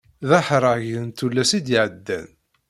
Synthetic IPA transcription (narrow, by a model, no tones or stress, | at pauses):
ðaħɾˤɑʝənt̪ulːæsid̪iʕəd̪ːæ̰n